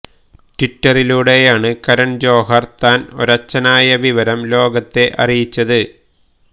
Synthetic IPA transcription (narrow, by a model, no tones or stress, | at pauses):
ʈiʈːɐriluɽe̞jaːɳɨkɐɾɐɳd͡ʑo̞ːɦɐrt̪aːno̞ɾɐt͡ɕːɐnaːjɐʋiʋɐɾɐmlo̞ːɡɐt̪ːe̞ʔɐrijit͡ɕːɐðɨ